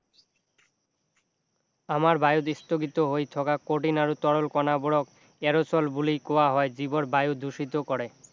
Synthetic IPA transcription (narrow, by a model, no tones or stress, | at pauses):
amaɾbajod̪ist̪oɡit̪oɦojt̪ʰɔkakoʈ̬inaɾut̪ɔɽolkɔnaboɽok | ɛɾot͡ɕɔlbulijkowaɦɔed͡ʑiboɾbajud̪ʱuʃit̪okɔɾe